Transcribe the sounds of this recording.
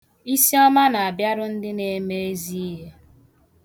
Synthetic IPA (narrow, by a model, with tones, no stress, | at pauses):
i˦si˦ɔ˦ma˦na˨a˨bja˦ɾʊ˦n̩˦dɪ˦ne˨me˦e˦zi˦i˦ɦe˦